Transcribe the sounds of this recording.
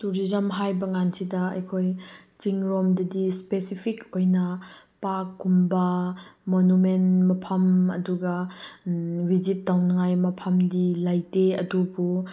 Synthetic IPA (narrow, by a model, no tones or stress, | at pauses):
tuɾizɐmɦajbɐŋansidɐɐ̰jkʰoj | t͡ʃiŋɾɔmdɐdispesipʰikojnɐ | pakːumbɐmonumenmɐpʰɐmɐ̰duɡɐ | bizit̚dawnɐŋajmɐpʰɐmdilajteɐdubu